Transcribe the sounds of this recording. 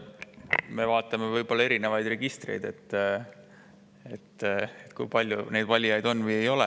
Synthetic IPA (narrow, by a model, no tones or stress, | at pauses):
me̞vɑːt̪ːˑɑmevɤjb̥o̞lːɑe̞ɾine̞vɑjd̪̥re̞ɡ̥ist̪rḛjd̪e̞t̪ː | e̞t̪ːet̪kujpɑlʲjune̞jd̪̥vɑlʲijɑjd̪̥o̞nːvɯje̞jo̞lɛ